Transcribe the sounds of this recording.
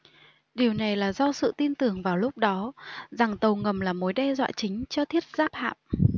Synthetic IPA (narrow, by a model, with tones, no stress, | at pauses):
ɗi˨˩əwna˨˩jlaː˨˩zɔ˧sɨ̰˧˨t̪i˧nt̪ɨ˨˩əŋvaː˨˩wlʊ˦˥k͡p̚ɗɔ˨˦za˨˩ŋt̪ə˨˩wŋə˨˩mlaː˨˩mo˨˦jɗɛ˧zwa̰ː˧˨t͡ɕï˨˦ŋ̟t͡ɕɔ˧t̪ʰi˦˥ət̚zaː˦˥p̚ha̰ː˧˨m